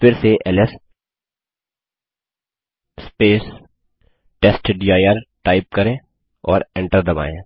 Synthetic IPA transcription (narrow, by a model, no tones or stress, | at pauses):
fɪɾseʔɛlɛs | speːs | ʈɛsʈɖiaːjəɾʈaːɪp̚kɐɾẽː | ɔːɾẽɳʈəɾd̪ɐba̰ːẽː